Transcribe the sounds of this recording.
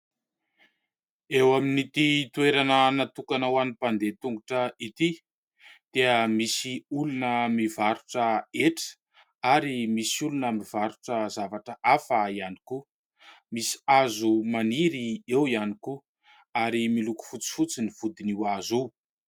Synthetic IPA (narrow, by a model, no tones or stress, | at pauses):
ewaminit̪it̪ueɾanənat̪ukanawanipand̪et̪uŋɡuʈ͡ʂəit̪i | d̪̥eəmisiulunəmivaɾuʈ͡ʂəeʈ͡ʂə̥ | aɾimisulunamiv̥aɾuʈ͡ʂəzavaʈ͡ʂəʔafaianiku | misi̥azumaniɾiewianiku | aɾimiluku̥fut͡si̥fut͡siniv̥ud̪iniwazu